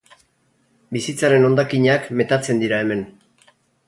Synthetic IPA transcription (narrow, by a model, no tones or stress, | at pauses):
bisit͡saɾe̞no̞nd̪akiɲakme̞t̪at͡se̞nd̪iɾae̞me̞n